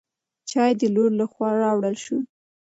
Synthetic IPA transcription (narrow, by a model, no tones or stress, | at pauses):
t͡ʃɑjd̪əloɾlaxwɑɾɑwɽəlʃu